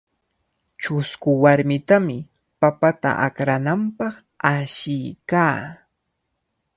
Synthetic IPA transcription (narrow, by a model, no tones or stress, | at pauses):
t͡ʃʊskʊwaɾmɪt̪amɪ | papat̪a̰ʔa̰kɾanampɑχ | aʃɪjkaː